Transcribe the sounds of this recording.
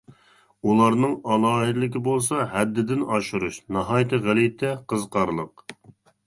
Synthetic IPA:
ulˠɑɾnɨŋɑlˠɑːɦɪd̪ɪlɪkʲɪbolˠsɑhɛd̪ːɪd̪ɪnɑʃuɾuʃnɑɦɑjt̪ʰɨʁælijt̪ʰɛqʰəzqʰɑɾlˠəq̚

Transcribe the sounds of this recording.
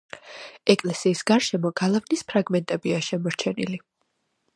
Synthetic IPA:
ɛkʼlɛsiːsɡaɾʃɛmɔɡ̥alˠavnispʰɾaɡmɛnt̪ʼɛbiaʃɛmɔɾt͡ʃʰɛnili

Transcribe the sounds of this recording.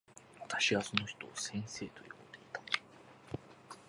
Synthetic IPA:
βat̪aɕiɡaso̞no̞çi̥t̪o̞ːsẽ̞ɰ̃se̞ːt̪oj̟kot̪od̪e̞it̪ḁ

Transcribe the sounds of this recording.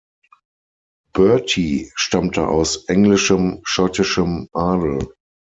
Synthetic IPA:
b̥ɜɐtʰiʃtamtʰəʔa̰ʊsʔɛŋlɪʃəmʃɔtɪʃəmʔaːdl̩

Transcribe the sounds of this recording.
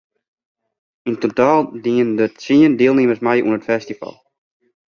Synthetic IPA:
intotaːlˠdiəndətsiəndɪəlˠnɪəməsmɛjṵənətfɛstifɑ̰lˠ

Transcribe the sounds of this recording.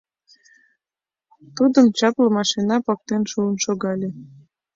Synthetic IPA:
t̪ud̪əmt͡ɕɑplɤ̆mɑʃinɑpɑk̚t̪enʃuənʃoɣɑlʲe

